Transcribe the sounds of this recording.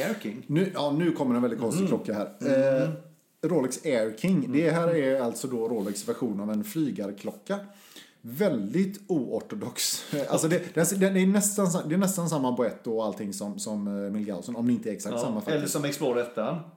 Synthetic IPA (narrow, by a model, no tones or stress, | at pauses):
ɛɾkɪŋnʉ̟ːjɑːnʉ̟ːkʰɔmːəɾɛnvɛlɪt̪kʰɔnst̪ɪklɔkːahæːɾ | ɾoːlɪksɛɾkʰɪŋd̪ɛɦæːɾɛɾalt̪sɔd̪ɔɾoːlɪksvæɾɧuːnavɛnflyːɡaɾkʰlɔkːa | vɛld̪ɪt̪uːɔʈʊd̪ɔksalsɔd̪ɛd̪̥ɛnsd̪ɛd̪ɛːnɛst̪ansad̪ɛːnɛst̪ansamːabʊɛt̪ːʊɔalt̪ʰɪŋːsɔmsɔmmɪlɡa̰ʊsɔnɔmd̪ɛɪnt̪əɛɾɛksakt̪samːafɛlːəsɔmɛksploːɾɛt̪ʰːaan